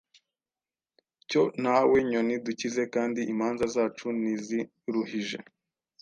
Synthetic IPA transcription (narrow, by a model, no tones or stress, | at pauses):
co̞nawe̞ɲoniducize̞kaːndiʔimaːnzazaːt͡ʃunizi | ɾuhiʒe̞̰